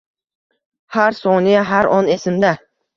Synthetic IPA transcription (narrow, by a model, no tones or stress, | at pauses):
haɾsɒnijaɦaɾɒne̞sɪmd̪a